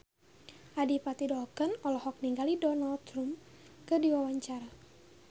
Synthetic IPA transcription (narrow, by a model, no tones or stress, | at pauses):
ʔadipat̪idɔkənɔlɔhɔk̚niŋɡalidɔnald̪rumkɨdiwawaɲt͡ʃaɾa